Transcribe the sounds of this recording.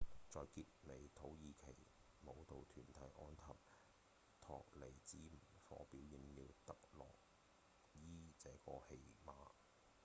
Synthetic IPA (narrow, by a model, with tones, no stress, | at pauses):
t͡sɔː˨jkiː˧t̚ne˨˧jt̪ʰo˨˥wjiː˧kʰe˨˩j | mo˨˧wt̪o˨˧wt̪ʰyː˨˩nt̪ʰɐ˨˥jʔɔː˥nt̪ʰɐ˨p̚ | t̪ʰɔ̰ː˨k̚le˨˩jt͡siː˨˥m̩˨˩fɔ̰ː˨˥piː˨˥wji˨˧ŋjiː˨˧wt̪ɐ˨k̚lɔ̰ː˨k̚ | jiː˥t͡sɛː˨˥kɔː˧he˧jmaː˨˧